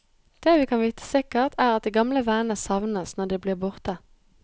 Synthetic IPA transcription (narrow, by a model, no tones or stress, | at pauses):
d̪̥eːʋiːkʰɑnʋiːt̪ʰə̥sɪkəʁt̪ʰæːʁɑt̪̚d̪ɛːɡɑmləʋæːnəsɑʋnəsnɔd̪eːbliːʁbʊʁt̪ə